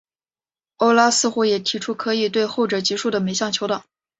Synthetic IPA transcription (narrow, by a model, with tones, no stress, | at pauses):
o˥ʊla˥sɹ̩˥˧xu˥jɛ˨˩t̪ʰi˧˥ʈ͡ʂʰu˥kʰɤ˧˥i˨˩t̪we˥˧ɪxo˥˩ʊʈ͡ʂɤ˨˩t͡ɕi˧˥ʂu˥˩d̪ə˩me˧˥ɪɕjɑ˥˩ŋt͡ɕʰjo˧˥ʊt̪ɑ˨˩˦